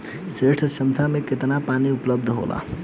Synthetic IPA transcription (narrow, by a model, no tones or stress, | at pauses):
seʈʰsəmt̪ʰameket̪napaniupləb̚d̪ʱɦo̰lʔa̰